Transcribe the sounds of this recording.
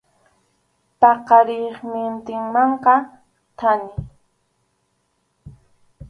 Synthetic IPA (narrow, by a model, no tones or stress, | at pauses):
pɑqɑɾɪχmɪnt̪ɪŋmɑɴqɑ | t̪ʰanɪ